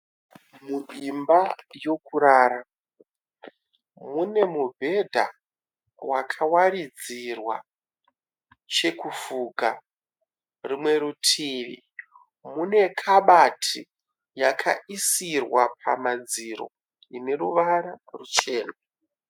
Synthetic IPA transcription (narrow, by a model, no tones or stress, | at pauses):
muɗimbajo̞kuɾaːɾa | mune̞mubʱe̞dʱa̰ | wakʰawaɾid͡zirwa | t͡ʃe̞kufuɡʱa | rimwe̞ɾutʰiːʋḭ | mune̞kʰaɓatʰi | jakʰa̰isirwapʰa̰mad͡ziɾo̞̰ | ine̞ruʋaɾarut͡ʃe̞ːna